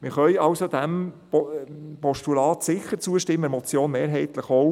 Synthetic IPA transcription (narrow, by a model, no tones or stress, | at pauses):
mɪɾχœjɑwsod̥̪æm | pɔʃtulɑːt̪sɪχəɾt͡suəʃtɪmːəɾmɔt͡sjoːnmeːɾɦɛɪt̪ləχow